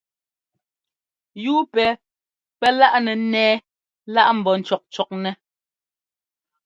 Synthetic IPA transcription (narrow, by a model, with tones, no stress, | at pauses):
juː˦pɛ˨˦ | pɛ˦la˦ʔnɛ˨˦nɛː˦ | la˦ʔm̩˨bɔ˨n̩˨t͡ʃɔ˨k̚t͡ʃɔ˨k̚nɛ˨